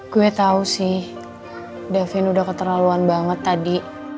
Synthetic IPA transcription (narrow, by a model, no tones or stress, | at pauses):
ɡuɛt̪ausɪh | dafɪnudahkət̪əɾaluanbaŋət̪ːadi